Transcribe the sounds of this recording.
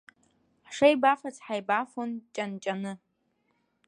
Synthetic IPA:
ħʂajbafat͡sʰʼħajbafont͡ʃʼant͡ʃʼanɨ

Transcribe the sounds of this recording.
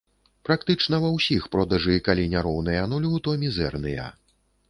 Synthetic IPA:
pɾakt̪ɨt͡ʂnɐvɐwsʲixpɾɔd̪ɐʐɨkalʲinʲaɾɔwn̪ɨjɐnulʲut̪ɔmʲizɛ̰rnɨjɐ̰

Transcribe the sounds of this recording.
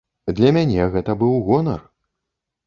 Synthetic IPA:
d̪lʲɐmʲanʲɛɣɛt̪ɐbɨwɣɔnɐ̰r

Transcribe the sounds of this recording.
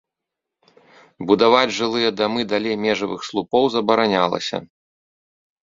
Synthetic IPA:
bud̪avad͡zʲʐɨlˠɨjɐd̪amɨd̪alʲejmʲɛʐɐvɨxslˠupɔwzɐbɐɾanʲalˠɐ̰sʲɐ̰

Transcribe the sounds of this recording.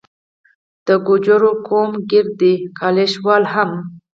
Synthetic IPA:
d̪̥əɡʊd͡ʒʊɾokʰomɡɪɾd̪ikʰɑleʃwɑlɦam

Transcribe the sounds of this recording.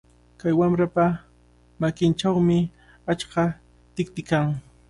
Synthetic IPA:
kajwamɾapa | makɪnt͡ʃawmɪ | at͡ʃkɑ | t̪ɪk̚t̪ɪkaŋ

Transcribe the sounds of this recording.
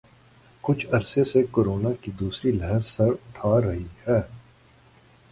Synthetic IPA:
kʊt͡ʃʰɐɾsesekoːɾoːnakid̪uːsɾilɛɦəɾsɐɾʊʈʰaːɾɐɦihɛː

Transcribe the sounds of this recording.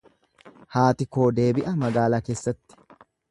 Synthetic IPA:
haːt̪ɪko̞ːd̪e̞ːbɪʔɐmɐɡaːlaːke̞ːsːɐt̪ːɪ̥

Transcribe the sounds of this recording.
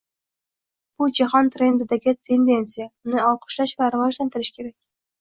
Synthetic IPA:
b̥ud͡ʒaɦɒnt̪ɾe̞nd̪ɪd̪aɡʲɪt̪ʰe̞nd̪e̞nt̪sijaʊnɪɒlˠqʰʊ̥ʃlaʃvaɾavɒʒlant̪ɪɾɪʃkʲʰe̞ɾakʲ

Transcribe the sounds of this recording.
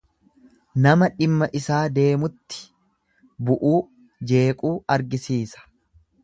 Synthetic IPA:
nɐmɐᶑɪmːɐʔɪsaːd̪e̞ːmʊt̪ːɪ̥ | bʊʔuː | d͡ʒe̞ːkʼuːɐɾɡɪsiːsɐ̥

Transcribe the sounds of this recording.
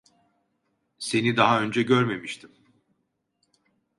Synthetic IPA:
se̞nid̪aɦaø̞nd͡ʒɛɟø̞ɾme̞miʃt̪ʰim

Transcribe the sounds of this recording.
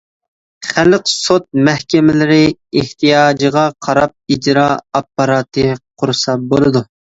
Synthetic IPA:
χælqsot̪̚mɛhkʲɪmɪlɪɾɪeht̪ijɑːd͡ʒəʁɑqʰɑɾɑp̚id͡ʒɾɑɑpːɑɾɑːt̪ʰɨqʰʊɾɨsɑbolˠɨd̪u

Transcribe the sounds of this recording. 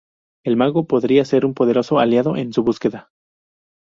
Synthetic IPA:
e̞lmaɣo̞po̞ðɾiase̞ɾumpo̞ðe̞ɾo̞so̞aljaðo̞ʔe̞nsuβuske̞ða

